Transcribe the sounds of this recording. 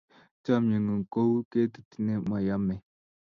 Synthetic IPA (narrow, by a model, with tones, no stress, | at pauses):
t͡ʃa˦mɲə˨ŋə˨ŋ˨ko˦wke˦t̪i̥˨t̪i˨ne˦ma˨ja˦me˨